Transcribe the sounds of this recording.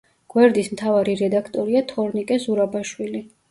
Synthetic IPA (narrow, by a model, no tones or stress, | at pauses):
ɡ̥wɛɾd̪ismt̪ʰavaɾiɾɛd̪akʰt̪ʼɔɾiat̪ʰɔɾnikʼɛzuɾabaʃwili